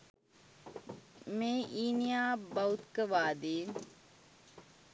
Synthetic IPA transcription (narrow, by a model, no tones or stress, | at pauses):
meːʔiːnijaːbɐut̪kəʋaːd̪eːn